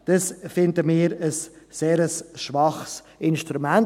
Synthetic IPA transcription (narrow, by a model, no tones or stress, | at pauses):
d̥əsfɪndəmɪːɾəsːeːɾəsʃʋɑχs | ʔɪnʃtɾumɛn